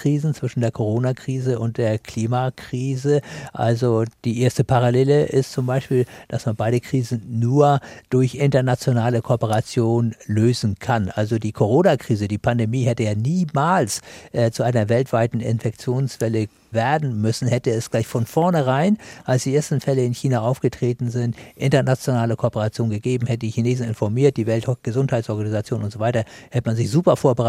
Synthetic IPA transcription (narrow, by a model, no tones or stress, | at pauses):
ʁ̥iːzn̩t͡sv̥ɪʃn̩deːɐkʰoʁ̞oːnakʁ̥iːzəʊnt̚d̥eːɐkʰliːmakʁ̥iːzəʔa̰lzod̥iːʔeːɐstəpʰaʁ̞aleːləʔɪstt͡sʊmbaɪʃpiːld̥asmanbaɪdəkʁ̥iːzn̩ːuːɐd̥ʊɐçʔɪntɐnat͡sjonaːləkʰoːpəʁ̞at͡sjoːnløːzn̩kʰanʔalzodiːkʰoʁ̞oːnakʁ̥iːzədiːpʰandemiːɦɛtəjaːniːmaːlsʔɛːt͡suʔaɪnɐvɛltv̥aɪtn̩ɪ̰nfɛk̚t͡sjoːnsv̥ɛlə | vɛɐdn̩mʏsn̩hɛtəɛsɡ̥laɪçfɔnfɔɐnəʁ̞aɪnʔalsd̥iːʔeːɐstn̩fɛləɪnçiːnaʔaʊfɡ̥ətʁ̥eːtn̩zɪntʔɪntɐnat͡sjonaːləkʰoːpəʁat͡sjoːnɡəɡeːbm̩hɛtədiːçineːzn̩ɪnfɔɐmiːɐt̚d̥iːvɛltɡ̥əzʊnthaɪtsʔɔɐɡanizat͡sjoːnʊntz̥oːvaɪtɐ | hɛtəmanzɪçz̥uːpɐfoːɐbəʁa